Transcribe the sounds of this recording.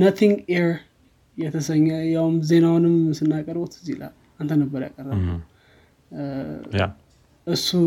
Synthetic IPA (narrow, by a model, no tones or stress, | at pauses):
nət̪ʰiŋɡɛɹ | jɛt̪ʰəsəɲːəjawmze̞nawnɨmsɨnːakʼəɾbot̪ʰɨzilʔa̰l | ant̪ʰənəbəɾja̰kʼəɾːəm | ʔɨsːu